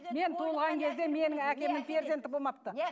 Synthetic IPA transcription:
me̞nt̪ʰuəlˠʁɑŋkʲʰe̞zd̪e̞me̞nɪŋækʲe̞mɪŋpʰʲeɾd̪ent̪ɪbolˠmɑp̚t̪ə

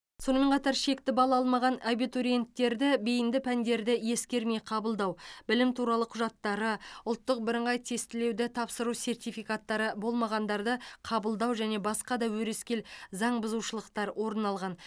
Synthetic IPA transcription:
so̞nəme̞ɴqʰɑt̪ɑɾʃe̞kt̪ɪbɑlˠɑɑlˠmɑʁɑnabit̪oɾie̞nt̪ːe̞ɾd̪ɪbejɪnd̪ɪpʰænd̪e̞ɾd̪ɪje̞skʲe̞ɾme̞jqʰɑbəlˠd̪ɑwbɪlɪmt̪ʰuɾɑlˠəqʰʊʒɑt̪ːɑɾəʊlˠt̪ːəq̚bɪɾɪɴʁɑjt̪ʰe̞st̪ɪle̞wd̪ɪt̪ʰɑpsəɾuwse̞rt̪ijfijkat̪ːɑɾəbo̞lˠmɑʁɑnd̪ɑɾd̪əqʰɑbəlˠd̪ɑwʒæne̞bɑsqɑd̪ɑwɵɾe̞skʲe̞lzɑɴbʊzuʃəlˠəqt̪ɑɾwʔo̞ɾənɑlˠʁɑn

